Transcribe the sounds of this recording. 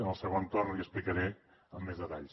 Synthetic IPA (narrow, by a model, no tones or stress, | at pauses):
ənəlˠsəɣont̪orniəsplikəɾe | əmːezðət̪aʎ